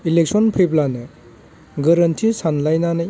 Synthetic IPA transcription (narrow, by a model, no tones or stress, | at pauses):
ilek̚sɔnpʰejblanɯ | ɡɐɾɐntʰisanlajnanɐ